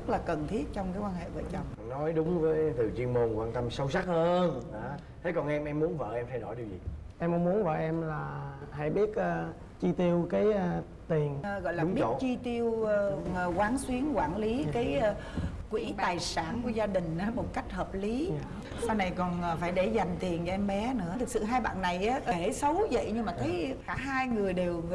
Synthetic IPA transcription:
zə˦˥t̚laː˨˩kə˨˩nt̪ʰi˦˥ət̚t͡ɕɔ˧wŋ͡mkaː˨˦jkwaː˧nhḛ˧˨və̰ː˧˩t͡ɕɔ˧wŋ͡m | nɔ˨˦jɗʊ˨˦ŋ͡mvəː˨˦jt̪ɨ˨˩t͡ɕi˧əmo˧nkwaː˧nt̪ə˧msə˧wsa˦˥t̚həː˧naː˨˩ | t̪ʰe˨˦kɔ˨˩nʔɛ˧mʔɛ˧mːu˨˦ənvə̰ː˧˨ʔɛ˧mt̪ʰa˧jɗo˧˩jɗi˨˩wzḭ˨˩ʔɛ˧mʔə˧ŋ͡mmu˨˦ənvə̰ː˧˨˩ʔɛ˧mlaː˨˩ɦa̰˧˩jɓi˦˥ət̚ʔəː˧˩ | t͡ɕi˧t̪i˧əwkaː˨˦j | t̪i˨˩ən˨ɣɔ̰˧˨jlaː˨˩ɓi˦ə˧˨t͡ɕi˧t̪i˧əwə˨˩kwaː˨˦nswi˨˦ənkwaː˧˩nli˨˦kaː˨˦j | kwi˧˩t̪aː˨˩jsaː˧˩nku˧˩əzaː˧ɗï˨˩ŋ̟ʔaː˨˦mo˨˩t̚ka˦˥jk̟̚həː˨˩p̚li˨˦ | saː˧jna˨˩jkɔ˨˩nː˨˩faː˧˩jɗe˧˩za˨˩m̟t̪i˨˩ənt͡ɕɔ˧ʔɛ˧mɓɛ˨˦nɨ̰˧˥ət̪ʰɨ˨˩k̚sɨ̰˧˨ɦaː˧jɓa̰ː˧˨nːa˨˩jʔaː˨˦ʔə˧˩˦sə˨˦wzə̰˧˨jɲɨ˧ŋmaː˨˩t̪ʰə˨˦jkaː˧˩ɦaː˧jŋɨ˨˩əjɗe˨˩w

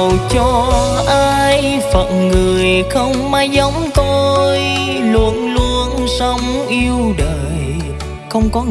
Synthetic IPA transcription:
wt͡ɕɔ˧ | ʔaː˧j | fə˨˩t̚ŋɨ˨˩əəjxə˧wŋ͡mmaː˧˦jzə˨˦wŋ͡mt̪o˧j | lu˧ənlu˧ənsə˧˦wŋ͡mʔi˧əwɗəː˨˩j | xə˧wŋ͡mkɔ˨˦

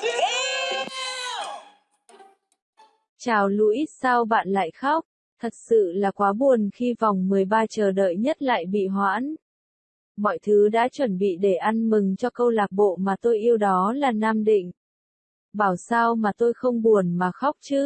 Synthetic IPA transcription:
t͡ɕaː˨˩wlu˧ʔi˦˥t̚saː˧wɓa̰ː˧˨nla̰ː˧˨jxa˦˥wk͡p̚ | t̪ʰə˨˩t̚sɨ̰˧˨laː˨˩kwaː˨˦ɓu˨˩ənxi˧va˨˩wŋ͡mmɨ˨˩əjɓaː˧t͡ɕəː˨˩ɗə̰ː˧˨jɲə˦˥t̚la̰ː˧˨jɓḭ˧˨ɦwa̰ː˧˥n | mɔ̰˧˨jt̪ʰɨ˨˦ɗa̰ː˧˥t͡ɕwə˧˩nɓḭ˧˨ɗe˧˩ʔa˧nmɨ˨˩ŋt͡ɕɔ˧kə˧wlaː˨˩k̚ɓo̰˧˨maː˨˩t̪o˧jʔi˧əwɗɔ˨˦laː˨˩naː˧mɗḭ̈˧˨ŋ̟ | ɓaː˧˩wsaː˧wmaː˨˩t̪o˧jxə˧wŋ͡mɓu˨˩ənmaː˨˩xa˦˥wk͡p̚t͡ɕɨ˨˦

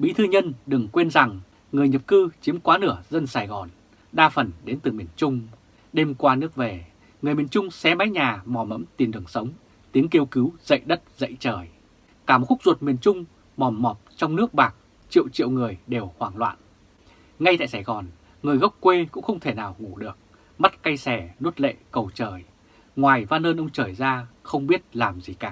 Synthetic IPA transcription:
ɓḭ˧˥t̪ʰɨ˧ɲə˧nɗɨ˨˩ŋkwe˧nza˨˩ŋ | ŋɨ˨˩əjɲə˨˩p̚kɨ˧t͡ɕi˨˦əmkwaː˨˦nɨ˧˩əzə˧nsaː˧˩jɣɔ˨˩n | ɗaː˧fə˨˩nɗe˨˦nt̪ɨ˨˩mi˨˩ənt͡ɕʊ˧ŋ͡m | ɗe˧mkwaː˧nɨ˦˥ək̚ve˨˩ | ŋɨ˨˩əjmi˨˩ənt͡ɕʊ˧ŋ͡msɛ˨˦ma˨˦jɲaː˨˩mɔ˨˩mə̰˧˥mt̪i˨˩ənɗɨ˨˩əŋsə˨˦wŋ͡m | t̪i˨˦əŋki˧əwki˨˦wzə̰˧˨jɗə˦˥t̚zə̰˧˨jt͡ɕəː˨˩j | kaː˧˩m˩xʊ˦˥k͡pk̚zu˨˩t̚mi˨˩ənt͡ɕʊ˧ŋ͡m | mɔ˨˩mːɔ˨˩p̚t͡ɕɔ˧wŋ͡mnɨ˦˥ək̚ɓaː˨˩k̚ | t͡ɕḭ˧˨əwt͡ɕḭ˧˨əwŋɨ˨˩əjɗe˨˩whwaː˨˩ŋlwa̰ː˧˨n | ŋa˧jt̪a̰ː˧˨jsaː˧˩jɣɔ˨˩n | ŋɨ˨˩əjɣa˦˥wk͡p̚kːwe˧kʊ̰˧˥ŋ͡mxə˧wŋ͡mt̪ʰe˧˩naː˨˩wŋu˧˩ɗɨ˨˩ək̚ | ma˦˥t̚ka˧jsɛ˧˩nu˦˥ət̚lḛ˧˨kə˨˩wt͡ɕəː˨˩j | ŋwaː˨˩jvaː˧nləː˧nʔə˧wŋ͡mt͡ɕəː˨˩jzaː˧xə˧wŋ͡mɓi˦˥ət̚laː˨˩mzi˨˩kaː˨˧˩

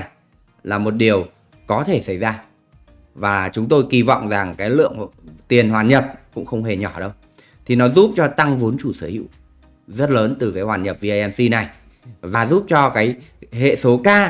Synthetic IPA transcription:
laː˨˩mo˨˩t̚ɗi˨˩əw | kɔ˨˦t̪ʰe˧˩sa˧˩jzaː˧ | vaː˨˩t͡ɕʊ˨˦ŋ͡mt̪o˧jki˧vɔ̰˧˨wŋ͡mza˨˩ŋkaː˨˦jlɨ̰˧˨əŋt̪i˨˩ənɦwaː˨˩nɲə˨˩p̚kʊ̰˧˥ŋ͡mxə˧wŋ͡mɦe˨˩ɲɔ˧˩ɗə˧w | t̪ʰi˨˩nɔ˨˦zu˦˥p̚t͡ɕɔ˧t̪a˧ŋvu˨˦ənt͡ɕu˧˩səː˧˦hḭ˧˨w | zə˦˥t̚ləː˨˦nt̪ɨ˨˩kaː˨˦jhwaː˨˩nɲə˨˩p̚vi˧a˧ɛ˧msi˧na˨˩j | vaː˨˩zu˦˥p̚t͡ɕɔ˧kaː˨˦jhḛ˧˨so˨˦kaː˧

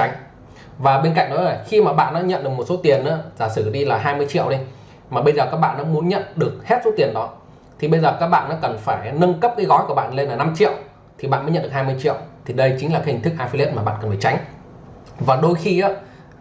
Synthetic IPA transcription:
a˨˦jŋ̟ | vaː˨˩ɓe˧nka̰˧˨ŋ̟̚ɗɔ˨˦laː˨˩xi˧maː˨˩ɓa̰ː˧˨nːɔ̰˨˦ɲə̰˧˨nɗɨ˨˩əkmo˨˩t̚so˨˦t̪i˨˩ənʔa̰ː˧˥˦zaː˧˩sɨ˧˩ɗi˧laː˨˩ɦaː˧jmɨ˧əjt͡ɕḭ˧˨əwɗi˧ | maː˨˩ɓə˧jzəː˨˩kaː˦˥k̚ɓa̰ː˧˨nːɔ̰˨˧˥mu˨˦ənɲə̰˧˨nɗɨ˨˩ək̚hɛ˦˥t̚so˨˦t̪i˨˩ənɗɔ˨˦ | t̪ʰi˨˩ɓə˧jzəː˨˩kaː˦˥k̚ɓa̰ː˧˨nːɔ˨˦kə˨˩nfaː˧˩jnə˧nkə˦˥p̚kaː˨˦jɣɔ˨˦ku˧˩əɓa̰ː˧˨nle˧nla˨˩na˧mt͡ɕḭ˧˨əw | t̪ʰi˨˩ɓa̰ː˧˨nmə˨˦jɲə̰˧˨ɗɨ˨˩haː˧jmɨ˧əjt͡ɕḭ˧˨ə˨wt̪ʰi˨˩ɗə˧jt͡ɕï˨˦ŋaː˨˩ka˨˦h̟t̪ʰk̚ʔaː˧fi˧li˦˥t̚maː˨˩ɓa̰ː˧˨nkə˨˩n˩faː˧˩t͡ɕa˨˦jŋ̟ | vaː˨˩ɗo˧jxi˧ʔaː˨˦

